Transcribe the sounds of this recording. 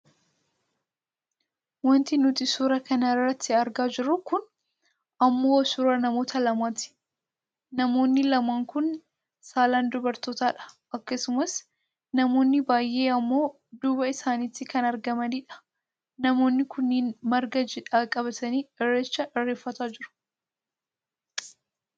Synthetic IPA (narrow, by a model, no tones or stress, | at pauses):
wɔnt̪inʊt̪ɪsuːɾɐkɐnɐɪrːɐt̪ʰːɪɐɾɡaːd͡ʒɪɾːʊkʊn | ɐmːo̞ːsuːɾɐnɐmo̞ːt̪ʰɐlɐmaːt̪ɪ̥ | nɐmo̞ːnːɪlɐmaːŋkʊn | saːlaːnd̪ʊbɐɾt̪oːt̪aːᶑɐ̥ | ʔɐkːɐsʊmɐs | nɐmo̞ːnːɪbaːjʔe̞ːɐmːo̞ː | d̪uːbɐɪsaːniːt̪ːɪkɐnɐɾɡɐmɐniːᶑɐ̥ | nɐmo̞ːnːɪkʊnːiːnmɐɾɡɐd͡ʒɛᶑaːkʼɐbɐt̪ʰɐniːɪrːeːt͡ʃːɐʔɪrːeːfːɐt̪aːd͡ʒɪɾʊ̥